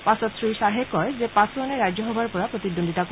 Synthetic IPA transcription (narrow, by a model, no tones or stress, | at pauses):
pasɔt̪sɾiʃaɦekɔed͡ʑepasoaneɾad͡ʑoɦɔbʱaɾpɔɾapɾot̪id̪ːond̪ʱiʈak